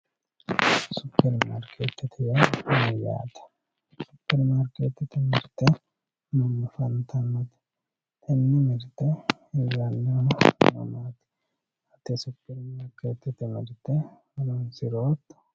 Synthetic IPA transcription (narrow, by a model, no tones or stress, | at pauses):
sʊpːɛɾma̰ːɾkʰet̪ːɪt̪ʰɪjaɐnɛja̰ːt̪ɐ̥ | sʊpːɛɾmaːɾkeːt̪ːɪt̪ɪmɪɾt̪ɛ | nɐmːɐfɐnt̪ʰɐnːɐt̪ | ɛnːɪmɪɾt̪ɛ | ɪjanːomɐ̰maːt̪ɪ̥ | ɐt̪ɛsʊpːɛɾmaːɾkeːt̪ːɪt̪ɪmɪɾt̪ɛ | ɐnonsɪɾoːt̪ːɐ̥